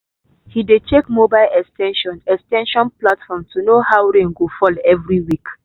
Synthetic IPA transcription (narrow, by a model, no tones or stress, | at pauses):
hidet͡ʃekmobaɪlɛkstʰɛ̃nʃɔ̃nɛkstɛ̃nʃɔ̃nplatfɔmtunohaʊwɹẽŋɡofɔlɛvɹiwik